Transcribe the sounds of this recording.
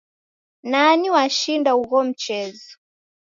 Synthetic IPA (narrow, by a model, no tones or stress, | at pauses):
naniwaʃindauɣɔm̩t͡ʃɛzɔ̥